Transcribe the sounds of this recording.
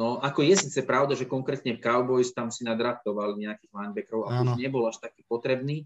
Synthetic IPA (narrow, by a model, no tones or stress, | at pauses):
nɔʔakɔjɛsiːt͡sɛpɾaʊd̪aʒɛkɔŋkɾɛːt̪ɲɛfkaʊbɔjst̪amsinad̪ɾaft̪ɔʋalɲɛakiːɣlaɲbɛkɾɔʊa̰uʒɲɛbɔlaʃt̪aki̥ːpɔt̪ɾɛbniː